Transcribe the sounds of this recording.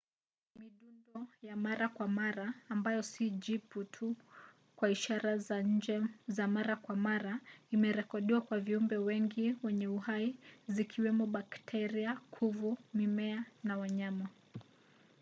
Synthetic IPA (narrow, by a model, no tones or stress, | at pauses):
miɗundɔjamaɾakwamaɾaːmbajɔsiʄiputʰu | kwaiʃaɾazaɲ̩d͡ʒɛzamaɾakwamaɾaimɛɾɛkɔɗiwakwaviumbɛwɛŋɡiwɛɲɛuhaizikʰiwɛmɔɓaktʰɛɾiakʰuvumimɛanawaɲama